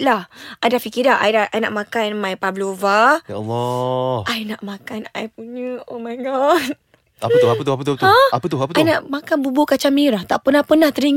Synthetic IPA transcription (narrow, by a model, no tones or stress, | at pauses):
lahʔadafikidaɦʔa̰jdaʔajna̰ʔmakanmajpablovajalːɔʔajnaʔmakana̰jp̚uɲəomaɡa | apət̪ʊɦaət̪ʊhapət̪ot̪ãapət̪ʊɦapətajnaʔmakanbuboʔkat͡ʃamiɾaht̪aʔpənahpənaht̪əɾiŋ